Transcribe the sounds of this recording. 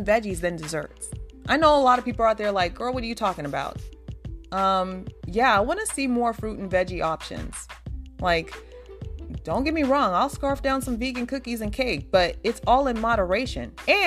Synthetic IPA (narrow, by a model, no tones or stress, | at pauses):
nvɛd͡ʒizðɨ̃ndɨzɜ̰˞tsʔaɪnoʊəlɑɾʌv̥pʰipl̩ˠaʊt̪̚ðə˞laɪk̚ɡ̥ɜ˞lˠwʌɾə˞jɨtʰɔkɪ̃ŋəbaʊt̚ | ʌ̃mjæaɪwɑ̃nɨsimɔɹfɹʉɾn̩vɛd͡ʒiʔɑpʃɨ̰̃nz̥laɪk | d̥õʊ̃nɡ̥ɛt̚miɹɔ̃ŋaɪlˠskɑɹfd̥ãʊ̃nsʌ̃ɱviɡɨ̃nkʰʊkizɨ̃nkʰeɪɡ̚b̥ʌɾɨtsɔlˠə̃nmɑɾə˞eɪʃɨ̰̃nɨ̃